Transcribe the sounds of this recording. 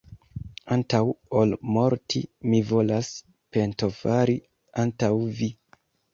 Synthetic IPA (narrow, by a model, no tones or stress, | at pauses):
antawolmo̞ɾtʰimivo̞las | pe̞nto̞faɾi | antawvi